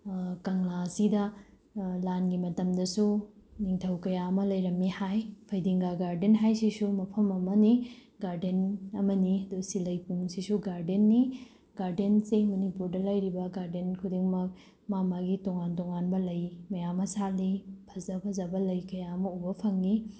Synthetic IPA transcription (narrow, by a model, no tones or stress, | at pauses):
kɐŋlasidɐ | lanɡimɐtɐmdɐsuniŋtʰɐwkɐjaɐmɐlɐjɾɐmːihajpʰɐjdiŋɡaɡaɾdenɦajsisumɐpʰɐmɐmɐni | ɡaɾdenɐmɐniɐdusilɐjpuŋsisuɡaɾdenːi | ɡaɾdensemɐnipuɾdɐlɐjɾibɐɡaɾdenkʰudiŋmɐk | mamaɡitɔŋantɔŋanbɐlɐjmɐjamɐsalipʰɐzɐpʰɐzɐbɐlɐjkɐjaɐmɐubɐpʰɐŋːi